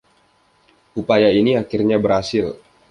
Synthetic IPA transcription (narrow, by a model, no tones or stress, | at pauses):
ʔupajainiakirɲabəɾasɪl